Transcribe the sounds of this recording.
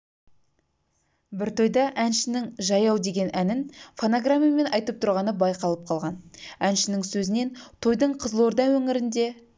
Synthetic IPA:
bɪɾt̪ʰo̞jd̪ɑʔænʃɪnɪŋʒɑjɑwd̪e̞ɡʲe̞nʔænɪnfonoɡramʲijame̞nɑjt̪əp̚t̪ʰʊɾʁɑnəbɑjqɑlˠəp̚qʰɑlˠʁɑnænʃɪnɪŋsɵzɪne̞nt̪ʰo̞jd̪əɴqʰəzlˠoɾd̪ɑwɵŋɪɾɪnd̪e̞

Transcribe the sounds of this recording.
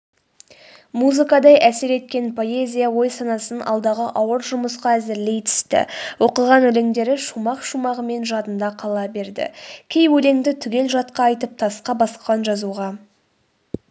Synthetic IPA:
muzɨkɑd̪ɑjʔæse̞ɾe̞t̪kʲe̞npʰo̞e̞zʲijawo̞jsɑnɑsənɑ̰lˠd̪ɑʁəʔɑwəɾʒʊməsqɑæzɪɾle̞jt̪ʰɪ̥st̪ɪ̰wo̞qəʁɑnɵleŋd̪e̞ɾɪʃumɑqʃumɑʁəme̞nʒɑt̪ənd̪ɑqʰɑlˠɑbe̞ɾd̪ɪ̰kʲʰe̞jwɵle̞ŋd̪ɪt̪ʰʏɡʲe̞lʒɑt̪qɑːjt̪əp̚t̪ʰɑsqɑbɑsqɑnʒɑzuʁɑ

